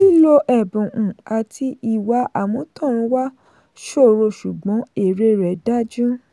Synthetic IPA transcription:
i˦lo˦ʔɛ˦˨bũ˨ʔũ˨a˨tʰi˧i˨wa˨˦ʔa˦˨mɔ̃˨˦tʰɔ̃˦˨ɾ̃ũ˨˧˦wa˦ | ʃo˦˨ɾo˧ʃu˨ɡ͡bɔ̃˨˦e˨ɾe˧˦ɾɛ˨da˦d͡ʒũ˦

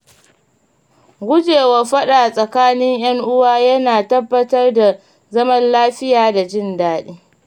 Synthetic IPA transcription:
ɡʷʊ˦d͡ʒeː˨wɐ˨ɸɐ˦ɗaː˨sʼɐ˨kaː˦nɪ˦ŋj̰ɐ˦ŋʔʊ˦waː˦jɐ˦naː˨tɐ˦bːɐ˦tɐ˦rda˨ | zɐ˦mɐ˦nlaː˦ɸɪ˦jaː˨da˨d͡ʒɪ˦ndaː˦ɗeː˦

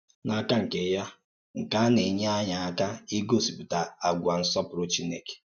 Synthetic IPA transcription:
na˨ka˦ŋ̩˨ke˦ja˦ | ŋ̩˨ka˦ne˨ɲe˦a˦ɲa˨a˦ka˦i˦ɡo˦˨si˨pu˨ta˨a˨ɡʷa˨n̩˦sɔ˦pʊ˨ɾo˦t͡ʃi˦ne˦˨ke̥˨

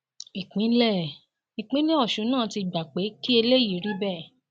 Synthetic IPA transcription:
i˨k͡pĩ˨˦lɛ˦˨ | i˨k͡pĩ˨˦lĩ˦ɔ˦˨ʃũ˨˦nãː˦˨ti˧˨ɡ͡ba˨k͡pe˨˦ki˦e˧le˦ji˦˨ɾi˦bɛ˦˨

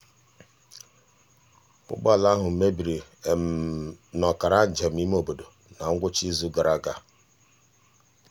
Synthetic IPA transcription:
pʊ̰˦k͡pa˦˨la˦ɦʊ˨m̩˨me˦bi˨ɾi˨ | nɔ˨ka˨ɾa˦n̩˨d͡ʒa˨m̩˨i˦m˦o˨bo˨do˨ | na˨ŋ̩˦ɡʷʊ˦t͡ʃi˦zu˦ɡa˨ɾa˦ɡa˨

